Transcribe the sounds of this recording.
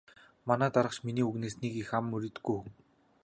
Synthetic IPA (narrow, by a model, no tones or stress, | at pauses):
manæːt̪aɾə̆χt͡ɕminiːuɣneːsniːkixamːɵɾʲĭt̪ɡujŋ